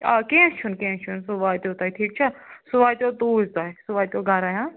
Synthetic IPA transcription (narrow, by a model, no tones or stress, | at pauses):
akẽːt͡ʃʰunkẽːt͡ʃʰunsuʋaːt̪oːt̪aːiʈʰiːk̚t͡ʃʰasʊʋaːjt̪ʲoːt̪uːzt̪aːisuʋaːt̪oːɡʱɐɾaːjãː